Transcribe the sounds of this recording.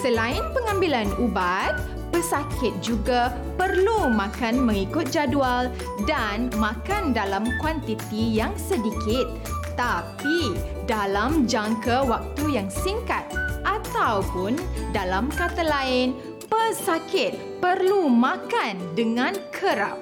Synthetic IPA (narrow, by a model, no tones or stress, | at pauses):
səlaɪnpəŋãmbilanubat̪̚ | pəsakɪt̪̚d͡ʒuɡa | pərlumãkanmə̃ŋikʊt̪̚d͡ʒadual | danmãkandalamkwant̪it̪ijaŋsədikɪt̪̚ː | api | dalamd͡ʒaŋkawak̚t̪ujaŋsiŋkat̪̚ʔat̪awpʊndalamkat̪alaɪn | pəsakɪt̪̚ | pərlumãkandəŋãnkʰəɾa̰p̚